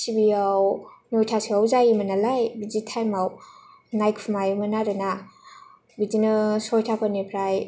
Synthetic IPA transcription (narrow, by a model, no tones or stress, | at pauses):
sibiawnɔjtʰasiawzajimanalajbid͡ʒitʰajmaw | najkpʰumajumanaɾɯna | bitinɯsɔjtʰapʰɔnipʰɾaj